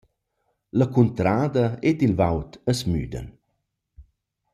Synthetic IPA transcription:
ləkunt̪ɾaːd̪əet̪ilvawt̪əsmy̰ːd̪ə̰n

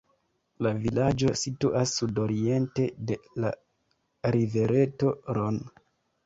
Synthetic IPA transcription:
lavilad͡ʒo̞situʔasːudo̞ɾie̞nte̞de̞la | ɾive̞ɾe̞to̞ɾon

